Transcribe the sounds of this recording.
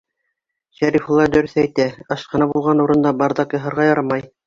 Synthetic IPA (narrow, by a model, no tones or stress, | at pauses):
ɕæɾifulˠɑd̪ɵ̆ɾɵθæjt̪æɑʃqɑ̆nɑbulˠʁɑnuɾɤ̆nd̪ɑbɑɾd̪ɑkjɤɦɤ̆ɾʁɑjɑɾɑmɑj